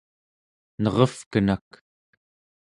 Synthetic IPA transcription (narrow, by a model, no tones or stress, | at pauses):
nʌʁʌfkənak